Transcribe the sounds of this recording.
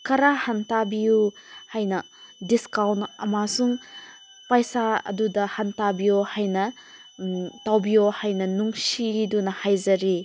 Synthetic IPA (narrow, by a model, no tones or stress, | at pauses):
kɐɾahantabijuhajnɐ | diskawnɐmasuŋ | pajsaɐ̰dudɐhantabijohajnɐ | tawbijohajnɐnuŋsidunɐhajzɐɾi